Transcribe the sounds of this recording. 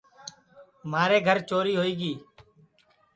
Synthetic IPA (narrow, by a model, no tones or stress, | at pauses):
maːɾeːɡʱəɾt͡ʃoːɾiːɦoːiːɡiː